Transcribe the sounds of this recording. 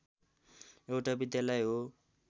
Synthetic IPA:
ewʈabid̪jalʌjɦo

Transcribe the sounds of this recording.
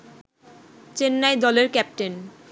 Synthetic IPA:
t͡ɕenːajd̪ɔleɾkɛp̚ʈen

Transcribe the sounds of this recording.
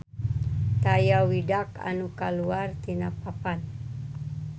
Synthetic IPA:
t̪ajawidaka̰nukaluart̪inapapan

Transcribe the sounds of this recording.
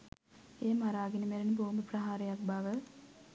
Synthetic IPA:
eːmaɾaːɡinimeɾeniboːmbəprɐɦaːɾejak̚baʋə

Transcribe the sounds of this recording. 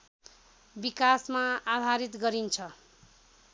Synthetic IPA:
bikasmaad̪ʱaɾit̪ɡʌɾint͡sʰʌ

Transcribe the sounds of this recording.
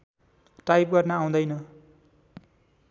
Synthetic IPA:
ʈajp̚ɡʌrnaːw̃d̪ʌjnʌ

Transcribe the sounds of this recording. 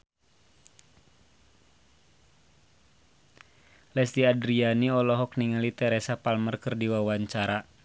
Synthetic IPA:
lɛsdiadɾianiɔlɔɦɔk̚niŋalit̪ɛɾɛsapalmərkərdiwawaɲt͡ʃaɾa

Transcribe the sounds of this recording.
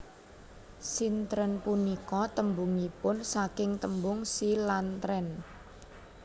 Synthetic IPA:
sint̪ɾənpunikɔt̪əmbuŋipʊnsakɪŋt̪əmbʊŋsilant̪ɾɛn

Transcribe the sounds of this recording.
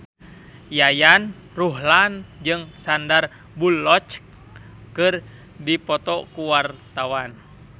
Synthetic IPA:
jajan | ruɦland͡ʒɨŋsandar | bulːɔt͡ʃ | kɨr | dipɔt̪ɔkuwart̪awan

